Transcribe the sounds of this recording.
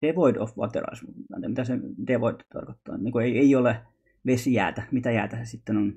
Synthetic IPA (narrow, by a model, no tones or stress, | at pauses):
d̥eʋoid̪o̰fʋo̰ɑ̰pḛrɑ̰smut̪ɑnt̪emit̪æsed̥̪eʋoit̪t̪ɑ̰rkot̪ːɑ̰ːnt̪niːŋkueieiole | ʋesijæ̰ːt̪æmit̪æjæ̰ːt̪æsesit̪ːenon